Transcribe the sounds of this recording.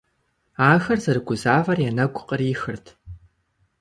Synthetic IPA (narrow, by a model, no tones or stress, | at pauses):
aːxɐrzɐrɨɡʷʊzaːvɐrjɛnɐɡʷʼʊqʼəriːxɨrtʰ